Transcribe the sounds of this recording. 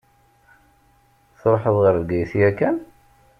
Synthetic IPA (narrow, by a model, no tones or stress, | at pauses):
θɾˤoħəðˤʁəɾðɡæjθiækːæn